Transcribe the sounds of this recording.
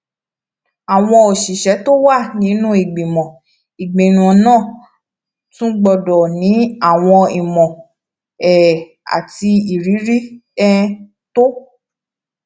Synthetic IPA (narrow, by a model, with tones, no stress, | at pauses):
a˨w̃ɔ̃˧o˨ʃi˨ʃɛ˨˦to˦wa˦˨nĩ˨˦nũ˦i˨ɡ͡bĩ˨mɔ̃˨ | i˨ɡ͡bĩ˨nũ˨ɔ̃˧nãː˦˨ | tũ˦ɡ͡bɔ˧dɔ˨nĩ˨˦a˦˨w̃ɔ̃˧i˨mɔ̃˨ | ɛ˨ | a̰˨ti˧i˨ɾi˨˦ɾi˦ɛ˦ | to˦